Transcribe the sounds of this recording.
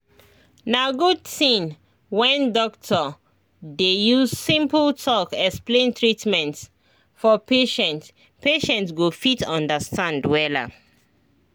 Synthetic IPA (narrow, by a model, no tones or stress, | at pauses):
naɡodtĩn | wɛ̃ndɔk̚tʰɔ | dejuzsĩmpltʰɔkɛksplẽntɹitmɛ̃nt | fɔpeʃɛ̃nt | peʃɛ̃ntɡofitɔ̃ndəstʰãndwɛla̰